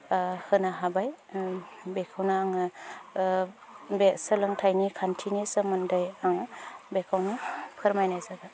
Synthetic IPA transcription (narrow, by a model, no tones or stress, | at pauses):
hɯnaɦabaj | bekʰawnaːŋa | besɯlɯŋtʰajnikʰantʰinesɯmɯndajaŋbekʰawnapʰɯɾmajnajzaɡa